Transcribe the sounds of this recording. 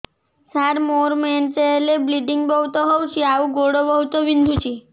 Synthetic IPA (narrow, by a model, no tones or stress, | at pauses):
saɾmoɾment͡ʃeelebliɖiŋɡbɔɦut̪ɔɦowt͡ʃʰiauɡoɽobɔɦut̪ɔbind̪ʱut͡ʃʰi